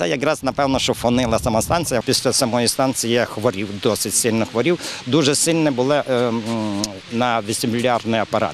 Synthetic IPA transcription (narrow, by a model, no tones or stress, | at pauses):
ɛjɐkrɑznɐpɛwnɔʃt͡ʃɔfɔnɪlˠɐsɐmɑst̪ɑnt̪t͡sʲijɐpʲisʲlʲɐsɐmɔjist̪ɑnt͡sʲijɛxʋɔɾʲiwd̪ɔsɪtʲsɪlʲnɔxʋɔɾʲiwd̪uʒɛsɪlʲnɛbʊlˠɪ | nɐʋʲisʲɪmlʲːɑrdnʊjɐpɐɾɑ̰t̪